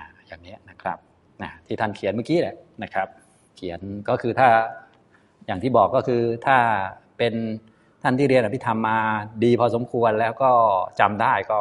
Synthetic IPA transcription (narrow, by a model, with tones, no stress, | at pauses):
ʔʔa˧˩jaː˨˩ŋni˦˥ɐna˦˥kʰɾa˦˥p̚ | ʔa˧˩t̪ʰiː˥˩t̪ʰa˥˩nkʰi˩˦nmaː˥˩kiː˦˥lɛ˨˩ʔna˦˥kʰɾa˦˥p̚ | kʰi˩˦ənkɔː˥˩kʰɯː˧t̪ʰaː˥˩ | jaː˨˩ŋt̪iː˥˩bɔː˨˩kːɔː˥˩kʰɯː˧t̪ʰaː˥˩ | pe˧n | t̪ʰa˥˩t̪iː˥˩ɾi˧nʔa˨˩pʰi˥t̪ʰa˧mːaː˧diː˧pʰɔː˧so˩˦mkʰu˧ənlɛː˦˥wkɔː˥˩t͡ɕa˧mdaː˥˩jkɔː˥˩